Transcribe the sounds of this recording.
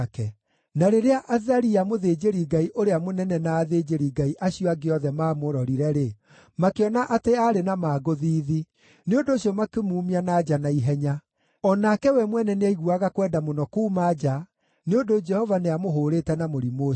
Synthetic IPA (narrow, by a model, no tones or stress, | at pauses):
kɛ | naɾeɾeaʔaðaɾiamoðeːd͡ʒeɾiɡaiʔoɾeamonɛnɛnaːðed͡ʒeɾiɡaiʔaɕijɔaɡeɔðɛmaːmoɾɔɾiɾɛɾe | makeɔnaʔateaɾenamaːɡoðiːði | neondoːɕiɔmakemuːmianaːd͡ʒanaiɦɛɲa | ɔnakɛwɛmwɛnɛneaiɣuaɣakwɛːndamonɔkuːmad͡ʒa | neondod͡ʒɛhɔvaneamoɦoːɾeːtɛnamoɾimoː